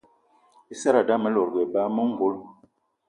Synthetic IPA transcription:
i˦sa˦ɾa˨da˦mə˦lɔ˨ɾɡɛ˨ba˦mə˦ŋ̩˨ɡo˦l

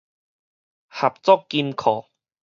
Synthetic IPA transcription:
ha˨˩p̚t͡sɔ˦˨kːi˧mkʰɔː˨˩

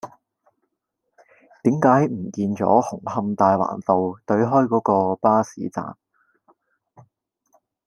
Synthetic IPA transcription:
t̪iː˨˥mkaː˨˥jm̩˨˩kiː˧nt͡ʃɔ̰ː˨˥hʊ˨˩ŋhɐ˧mt̪aː˧jwa̰ː˨˩nt̪o˨wt̪ɵ˨˥ɥɦɔː˥jkɔː˨˥kɔː˧paː˥sḭː˨˥t͡sa̰ː˨m

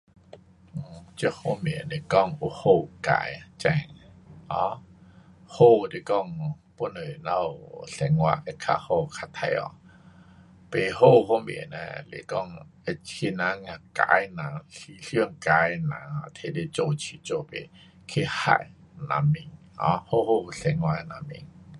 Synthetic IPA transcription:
t͡ɕə˧˨ho˧˨me˨ne˨kɔ˧˨ŋu˧ho˧˨ka̰˧˨jt͡ɕɛ˧˨ŋɔ˧˦ | ho˥˧˨de˨kɔ˦˧˨ŋ | po˧˨nə˨na˧wɬɛ˨˦ŋwa˧˨ʔɛ˧kʰa̰˧ho˧˨kʰa˧t̪ʰa˧jɔ̰˧˨ | pe˨ɦo˦˧˨ɦo˥˧˨mḛ˨nɛ̰̃˧˨lḛ˨kɔ˥˧˨ŋe˧t͡ɕkʰi˧nã˨˧˦ŋã˧˨ka̰˧˨˦jnã˨ɬi˨ɬi˧˨ŋka˧˦jnã̰˨˦a˧˨t̪ʰe˧˨de˧t͡ɕo˧˨t͡ɕʰi˧˨t͡ɕo˧˨pḛ˨ | kʰe˧˨ha̰˧˨j | nã̰˨mi˧˨ŋ | ɔ̰̃˧˦ho˦˧˨ho˧˨u˨ɬɛ˧ŋwa˧˨na˧˨mḭ˧˨ŋ

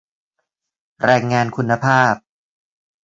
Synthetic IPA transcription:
ɾaː˧ŋːaː˧nkʰu˧nːa˧pʰaː˥˩p̚

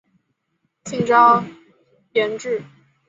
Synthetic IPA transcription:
t͡ɕʰi˥˩ŋʈ͡ʂɑ˥ | jjɛ˧˥nʈ͡ʂɻ̩˥˩

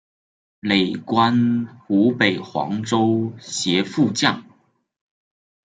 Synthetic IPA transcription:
le˨˩ɪkwa˥nxu˧˥pe˨˩ɪxwɑ̰˧˥ŋʈ͡ʂo˥ʊɕjɛ˧˥fu˥˧t͡ɕjɑ˥˩ŋ

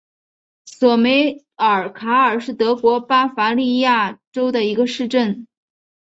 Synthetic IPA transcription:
swɔ˨˩me˧˥ɪ | ə˞˨˩kʰa˧˥ə˞˨˩ʂɻ̩˥˩t̪ɤ˧˥kwɔ˧˥pa˥fa˧˥li˥˧ja˥˩ʈ͡ʂo˥ʊd̪ə˨i˧˥ɡə˧ʂɻ̩˥˧ʈ͡ʂə˥˩n

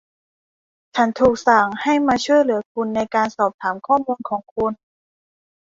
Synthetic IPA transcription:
t͡ɕʰa˦˥nt̪ʰuː˨˩k̚sa˨˩ŋha˥˩jmaː˧t͡ɕʰu˥˩əjlɯ˩˦ɐkʰu˧nːa˧jkaː˧nsɔː˨˩p̚t̪ʰaː˩˦mkʰɔː˥˩muː˧nkʰɔː˩˦ŋkʰu˧n

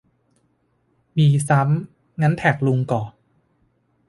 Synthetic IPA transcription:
miː˧sa˦˥m | ŋa˦˥nt̪ʰɛː˨˩k̚lu˧ŋkɔː˨˩

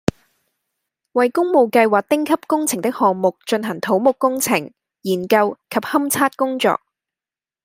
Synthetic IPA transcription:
wɐ˨jkʊ˥ŋmo˨˧wkɐ˧jwaː˨˩k̚t̪ɪ˥ŋkʰɐ˥p̚kʊ˥ŋt͡sʰɪ˨˩ŋt̪ɪ˥k̚hɔː˨ŋmʊ˨k̚t͡ʃɵ˧nɦɐ˨˩ŋt̪ʰo˨˥wmʊ˨kːʊ˥ŋt͡sʰɪ˨˩ŋ | jiː˨˩nkɐ˧wkʰɐ˨p̚hɐ˥mt͡sʰaː˥t̚kʊ˥ŋt͡sɔ̰ː˨k̚

